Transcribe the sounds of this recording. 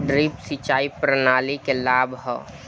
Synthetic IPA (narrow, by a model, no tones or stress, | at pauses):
ɖɾipsit͡ʃaːipɾənaːlikelaːbʱɦɛ̰